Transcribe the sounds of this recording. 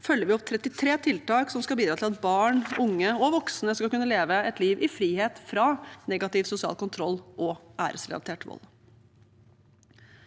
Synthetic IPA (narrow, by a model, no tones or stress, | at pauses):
fœljəɾʋɪɔpt̪ʰɾɛt̪ːɪt̪ʰɾeːt̪ʰɪlt̪ɑːksɔmskɑlbiːd̪ɾɑːɪlɑt̪̚bɑːɳʊŋːəɔʋɔksnəskɑkʉnːəleːʋəɛt̪ʰliːʋʔɪfɾiːheːt̪fɾɑnɛɡɑt̪ɪʋsʊsɪɑ̰ːlkʊnt̪ʰɾɔlːʔɔæ̰ːɾəslɪ̰ɑ̰t̪ʰeːʈʋɔ̰l